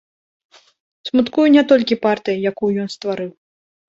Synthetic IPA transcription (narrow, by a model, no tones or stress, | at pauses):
smut̪kujunʲɛt̪ɔlʲkʲipart̪ɨjɐjakujujɔnst̪vaɾɨw